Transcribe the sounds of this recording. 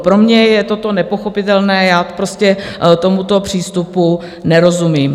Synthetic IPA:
pɾo̞mɲɛjɛt̪o̞t̪o̞nɛpo̞xo̞pɪt̪ɛlnɛːjaːt̪o̥pɾo̞scɛt̪o̞mut̪o̞pr̝̥iːst̪upu | nɛɾo̞zumiːm

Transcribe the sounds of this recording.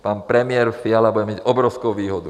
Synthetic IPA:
paːnpɾɛmɪɛɾfɪalabuɟɛmaɟɔbɾɔʊskuʊʋiːɦɔd̪u

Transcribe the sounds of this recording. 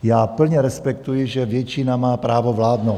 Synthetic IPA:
jaːpl̩ɲɛɾɛspɛkt̪ujɪʒɛvjɛt͡ʃinamaːpɾaːvovlaːd̪now

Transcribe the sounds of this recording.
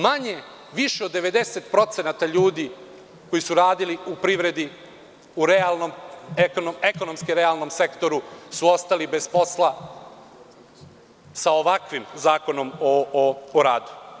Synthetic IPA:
maɲe̞ | ʋiʃeod̪ːe̞ʋe̞d̪eset̪pɾo̞t̪senat̪aʎuːd̪i | ko̞jisuɾaːd̪iliupɾiʋɾe̞d̪i | uɾealnomekonomeko̞nomskiɾealˠno̞mse̞kt̪o̞ɾusuo̞st̪alibe̞zpo̞slˠa | saoʋakʋimzaːko̞no̞mooɾaːd̪u̥

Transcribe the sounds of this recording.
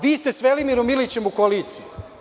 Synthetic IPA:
ʋiːst̪esʋelimiɾomilit͡ɕemukoliːt̪siu

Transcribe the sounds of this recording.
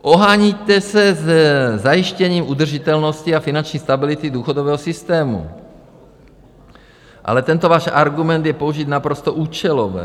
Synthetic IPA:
ʔoɦaːɲit̪ɛsɛzɛzajɪʃcɛɲiːmʔud̪r̩ʒit̪ɛlnosciafinant͡ʃɲiːst̪abɪlɪt̪id̪uːxod̪ovɛːɦosɪst̪ɛːmṵ | ʔa̰lɛt̪ɛnt̪ovaːʃʔa̰ɾɡumɛnt̪jɛpouʒit̪napɾost̪oʔuːt͡ʃɛlovɛ̰ː

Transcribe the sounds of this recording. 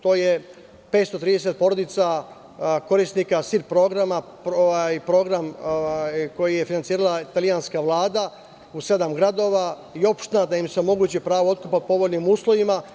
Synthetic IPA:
t̪o̞ːje̞ | pe̞t̪st̪o̞t̪ɾiːd̪eset̪̚po̞ɾo̞d̪it̪sa | ko̞ɾisnikasiɾpɾo̞ɡɾamapoʋajpɾo̞ɡɾamjko̞jije̞finant̪iːɾalait̪alijanskaʋlˠaːd̪a | use̞d̪amɡɾad̪o̞ːʋa | io̞pʃt̪enad̪aimseomo̞ɡuːt͡ɕipɾaːʋoo̞t̪̚kupapo̞ʋo̞lnimuːslˠo̞ʋima

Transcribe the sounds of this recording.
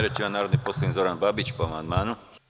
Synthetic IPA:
ɾet͡ʃimanaːɾod̪nimposlˠoizoɾanbabit͡ɕpoamand̪maːnu

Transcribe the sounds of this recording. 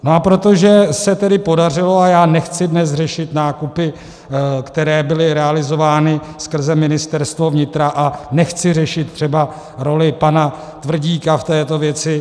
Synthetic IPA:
noapɾot̪o̞ʒɛsɛt̪ɛdɪpo̞dar̝ɪloajaːnɛxt͡sɪdnɛsr̝ɛʃɪt̪naːkupɪ | kt̪ɛɾɛːbɪlɪɾɛalɪzo̞vaːnɪskr̩zɛmɪnɪst̪ɛɾst̪vo̞vɲɪt̪ɾaʔanɛxt͡sɪrɛʃɪt̪ːr̝̥ɛba | ɾo̞lɪpana | t̪vr̩ɟiːkaft̪ɛːt̪o̞vjɛt͡sɪ

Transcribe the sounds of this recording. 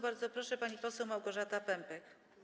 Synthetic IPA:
baɾd̪zɔpɾɔʂɛpaɲipɔsɛwmawɡɔʐat̪apɛmpɛk

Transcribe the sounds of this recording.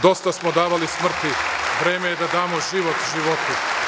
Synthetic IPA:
d̪o̞st̪asmod̪aːʋalismr̩t̪iʋɾeːmejed̪ad̪aːmoʒiʋot̪ʒiʋo̞t̪u

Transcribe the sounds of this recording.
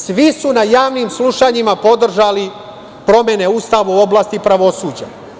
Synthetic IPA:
sʋisunajaːʋnimslˠuʃaɲimapo̞d̪r̩ʒali | pɾo̞me̞ne̞ust̪aʋuo̞blˠaːst̪ipɾaʋo̞suːd͡ʑa̰

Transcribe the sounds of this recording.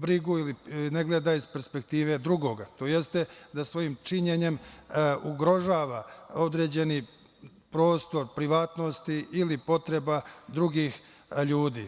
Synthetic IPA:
bɾiɡuilineɡled̪aizpeɾspe̞k̚t̪iːʋe̞d̪ɾuɡo̞ːɡat̪o̞ːje̞st̪e̞d̪asʋo̞jiːmt͡ʃiɲe̞ɲe̞muɡɾo̞ʒaːʋao̞d̪ɾe̞ːd͡ʑe̞ni | pɾo̞ːst̪o̞ɾpɾiʋaːt̪no̞st̪iilipo̞t̪ɾe̞bad̪ɾuɡiːx | ʎuːd̪ḭː

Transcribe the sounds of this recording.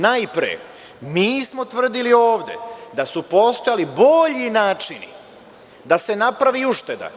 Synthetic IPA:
najpɾḛ | miːsmo̞t̪ʋr̩d̪ilio̞ːʋd̪ḛd̪asupo̞st̪ojalibo̞ʎinaːt͡ʃinḭ | d̪ase̞napɾaʋiuʃt̪e̞d̪a̰

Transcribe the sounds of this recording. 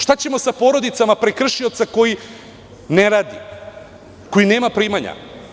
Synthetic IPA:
ʃt̪at͡ɕe̞mo̞sapo̞ːɾo̞d̪it̪samapɾekr̩ʃio̞t̪sako̞ji | neɾaːd̪ḭ | ko̞jine̞ːmapɾiːmaɲa̰

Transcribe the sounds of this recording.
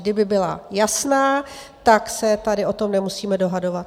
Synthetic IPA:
dɪbɪbɪla̰jasnaː | t̪aksɛt̪adɪʔo̞t̪o̞mnɛmusiːmɛdo̞ɦado̞vat̪̚

